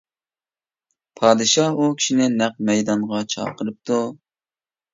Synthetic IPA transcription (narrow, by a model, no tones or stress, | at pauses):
pʰɑːd̪ɨʃɑukʲʰi̥ʃinɪnæq̚mɛjd̪ɑɴʁɑt͡ʃʰɑ̰ːqʰəɾɨp̚t̪ʰu